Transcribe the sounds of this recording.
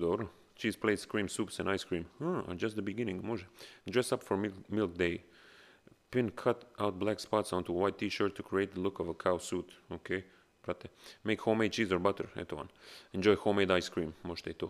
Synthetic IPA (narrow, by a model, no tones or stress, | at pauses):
d̪ɔɾu | t͡ʃizplejskɾɹĩmsupsɛ̃najskɹĩmã̰d͡ʒast̪d̪əbiɡinɪ̃ŋɡmɔʒɛd̪ɹɛsapfɔɹmilˠk̚d̪eɪ | pɪ̃nkʰat̪awt̪̚blækspatsɔ̃nt̪uwajt̪ʰːiʃɔɹt̪ʰːukɾieɪt̪̚d̪əlukɔvəkʰawsut̪okʰej | pɾat̪ɛmejkhomejt͡ʃizɔɹbat̪əɹɛ̰t̪əã̰nɛ̃nd͡ʒɔjhomejd̪ajskɹĩmmɔʃt̪ɛjt̪u